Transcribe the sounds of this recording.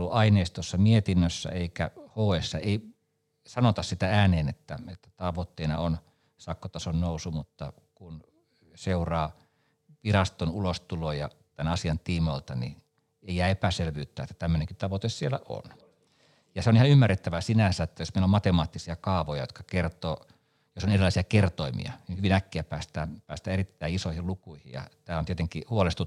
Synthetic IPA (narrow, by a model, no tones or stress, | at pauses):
luʔɑineːst̪uosːɑmiet̪inːøsːæ̰eikæ̰hoːeːsːɑeˑi | sɑnot̪ɑssit̪ææːneːnet̪ːæet̪ːæ̥t̪ɑʋot̪ːeinɑ̰on | sɑkːot̪ɑsonnousumut̪ːɑ̰ | kun | seurɑː | ʋirɑst̪onulost̪ulojɑ̰t̪ænɑsiɑnt̪iːmoilt̪ɑnḭ | eijæːepæselʋyːt̪ːæ̰ːet̪ːæ̥t̪æmːøneŋkitt̪ɑʋot̪essielæ̰ʔo̰n | jɑseonihɑymːærːet̪ːæʋæsinænsæet̪ːæjosmeilomɑt̪emɑːt̪ːisiɑkɑːʋojɑjo̰t̪̚kɑ̥kert̪oː | josonerilɑˑisiɑkert̪oimḭɑ̰niːhyʋinækːiæpæːst̪æːpæːst̪æerit̪ːæiisoihilukuihḭjjɑ̰t̪æːont̪iet̪eŋkihuɑlest̪u